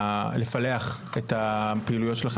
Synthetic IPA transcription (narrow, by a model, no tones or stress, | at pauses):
le̞faleaχetapeilujotʃelaχ